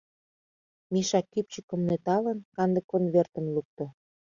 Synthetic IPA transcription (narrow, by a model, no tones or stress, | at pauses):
miʃɑkːip̚t͡ɕə̆kə̆mnet̪ɑlə̆nkɑnd̪ə̆kːonβert̪ə̆nluk̚t̪ŏ